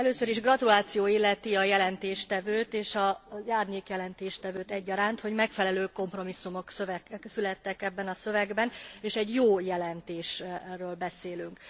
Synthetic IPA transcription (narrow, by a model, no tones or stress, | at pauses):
ɛløːsøɾiʒɡrɒt̪ulaːt̪sijoːilːɛt̪iɒjɛlɛnt̪eːʃt̪ɛvøːt̪eːʃɒzaːrɲeːkjɛlɛnt̪eːʃt̪ɛvøːt̪ɛɟːɒɾaːnt̪ho̞ɟmɛkfɛlɛløːko̞mpro̞misːumo̞ksøvɛsylɛt̪ːɛkɛbːɛnɒsø̞vɛɡbɛneːʃɛɟjoːjɛlɛnt̪eːʃrøːlbɛseːlyŋk